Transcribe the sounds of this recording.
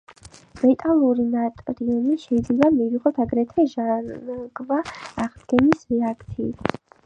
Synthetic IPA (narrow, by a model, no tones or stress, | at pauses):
mɛt̪ʼalˠuɾinat̪ʼɾiɔniʃɛid̪zlɛbamiviʁɔt̪ʰaɡɾɛt̪ʰɛʒaɡvaːʁd̪ɡɛnisɾɛakʰt̪sʰḭːt̪ʰ